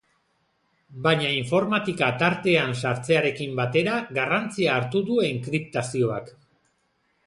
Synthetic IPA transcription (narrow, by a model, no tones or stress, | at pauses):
baɲaiɱfo̞ɾmat̪ikat̪aɾt̪e̞ansaɾt͡se̞aɾe̞kimbat̪e̞ɾaɣarant͡siaːɾt̪uðue̞ŋkɾip̚t̪asio̞a̰k